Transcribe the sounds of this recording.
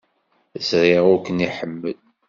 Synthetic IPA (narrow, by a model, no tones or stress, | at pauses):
əzɾˤiʁʊɾkəniħəmːəl